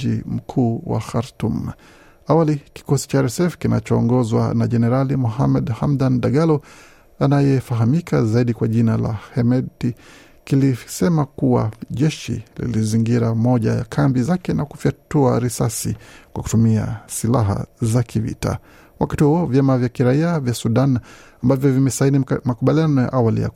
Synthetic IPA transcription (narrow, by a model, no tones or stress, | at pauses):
ḭm̩kʰuːwa̰xaɾtum | awaliki̥kɔsi̥t͡ʃaɾɛsɛfkinat͡ʃɔːŋɡɔzwa̰naʄɛnɛɾalimuɦamɛɗhamdanɗaɠalɔ | anajɛfaɦamikʰazaiɗikwaʄinala̰hɛmɛti | kilisɛmakuwa̰ʄɛʃḭlḭliziŋɡiɾamɔʄa̰ja̰kʰambizakɛnakufiatuaɾisasḭkwaku̥tumia̰sila̰ɦa̰zakivḭta̰ | wʔakatihuɔvjamavjakiɾaiavjasuɗanambavjɔvimɛsainimakuɓalianɔja̰ʔawalḭja̰